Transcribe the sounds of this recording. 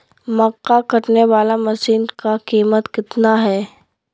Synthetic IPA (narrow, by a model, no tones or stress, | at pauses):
mɐqːakɐʈneʋaːlamɐsiːnkakiːmət̪kɪt̪naɦɛː